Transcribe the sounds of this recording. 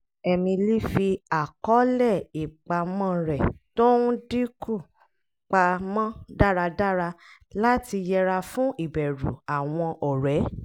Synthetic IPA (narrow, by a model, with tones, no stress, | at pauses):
ɛ˧mĩ˧li˦fi˧a˨kɔ˨˦lɛ˦˨i˨k͡pa˧mã˦˨ɾɛ˨to˦ũ˦di˦ku˦˨ | k͡pa˧mã˦da˦˨ɾa˧da˦ɾa˧ | la˦ti˧jɛ˧ɾa˧fũ˦ʔi˦˨bɛ˨ɾṵ˨a˨w̃ɔ̃˧ʔɔ˨ɾɛ˨˦